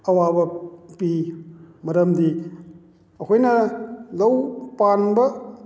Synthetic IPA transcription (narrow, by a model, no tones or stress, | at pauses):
ɐwabɐpimɐɾɐmdi | ɐkʰojnɐlɐwpanbɐ